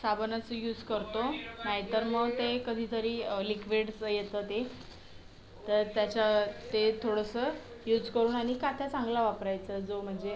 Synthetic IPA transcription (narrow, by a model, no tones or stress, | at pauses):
sabənəsəjuːd͡zkəɾt̪onaɦjt̪əɾməɡt̪ekəd̪ʱiːt̪ʰəɾiːlikʋiɽsjet̪əːt̪e | t̪əɾt̪jat͡ɕat̪et̪ʰoɽəsə | juːd͡zkəɾuːnaɽ̃ikat̪ʰjat͡sãŋɡlaʋapɾajt͡səd͡zom̤əɳd͡ze